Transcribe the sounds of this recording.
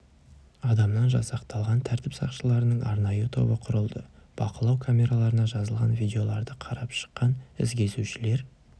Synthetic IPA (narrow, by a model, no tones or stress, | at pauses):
ɑd̪ɑmnɑnʒɑsɑqt̪ɑlˠʁɑnt̪ʰæɾt̪ɪpsɑ̰qʃəlˠɑɾənəɴʔɑ̰ɾnɑjut̪ʰo̞̰bəqʰʊɾəlˠd̪əb̥ɑqəlˠɑwkʰamʲe̞ɾalˠɑɾənɑʒɑzəlˠʁɑ̰nvʲijd̪ʲe̞o̞lˠɑɾd̪əqʰɑɾɑpʃə̥qːɑnɪ̰zɡʲe̞suʃɪle̞ɾ